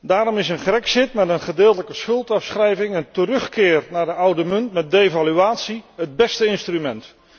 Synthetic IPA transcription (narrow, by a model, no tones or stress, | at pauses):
daːɾɔmɪsənχrɛksɪtmɛtənχədɪːlˠtələkəsχɵlˠtɑfsχrɛjvɪŋəntərɵχkɪːrnaːɹdəʔʌwdəmɵntmɛt̚dejvalyaːtsiɦəd̚bɛstəɪnstrymɛnt